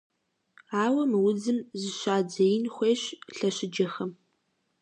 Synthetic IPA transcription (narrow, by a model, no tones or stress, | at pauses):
aːwɐmɨwʊd͡zɨmzɨʃaːd͡ʒɐjɪnxʷeːɕɬɐɕɪd͡ʒɐxɐm